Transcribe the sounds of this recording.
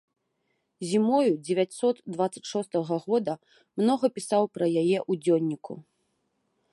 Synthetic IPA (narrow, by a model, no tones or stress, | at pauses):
zʲimɔjud͡zʲɛvʲat͡sʲsɔt̪d̪vat̪sːɐt͡sʲʂɔst̪ɐɣɐɣɔd̪ɐ | mnɔɣɐpʲisawpɾɐjajɛʔud͡zʲɔnʲːikʰṵ